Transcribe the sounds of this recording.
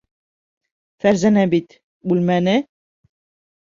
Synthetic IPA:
fæɾzænæbit̪ | bʉlmænɘ

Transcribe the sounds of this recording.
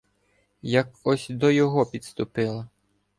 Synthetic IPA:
jɐkɔsʲd̪ɔjɔɦɔpʲid̪st̪ʊpɪlˠɐ

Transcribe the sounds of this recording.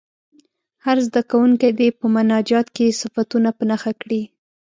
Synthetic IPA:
haɾzd̪akawuŋkad̪epəmʊnɑd͡ʒɑt̪kesɪfat̪unapənaxakɽi

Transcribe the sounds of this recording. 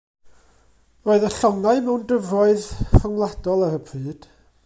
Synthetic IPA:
roːɨðəɬɔŋaɨmɛwndəvrɔɨðfaŋlˠad̥ɔlˠaɾəpʰrɨːd̥

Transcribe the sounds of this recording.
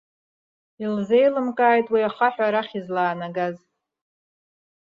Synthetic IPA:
ilze̞jlɨmkʼaːjtʼwiaχaħʷᶣaɾaχʲizlaːnaɡaz

